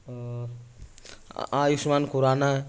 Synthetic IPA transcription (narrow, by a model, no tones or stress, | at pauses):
ajusmankuɾana